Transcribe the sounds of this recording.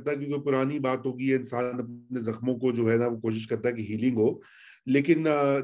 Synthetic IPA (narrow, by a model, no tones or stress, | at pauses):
t̪aɦɛkjõːkpʊɾaːnibaːt̪ɦoːɡiɦɛɪnsaːnɐp̚pnezɐxmõkod͡ʒoːɦɛnɐʋokoːʃ̬ɪʃ̬kɐɾt̪aɦɛkiɦiːlɪ̃ŋɡɦoː | leːkɪn